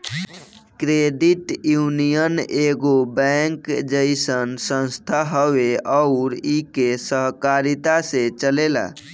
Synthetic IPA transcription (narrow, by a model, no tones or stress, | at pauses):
kɾeɖiʈjunijəneɡobɛ̃ŋkd͡ʒəɪsənsə̃nst̪ʰaɦəʋeəʊɾikesəɦkaɾit̪asẽt͡ʃəlela̰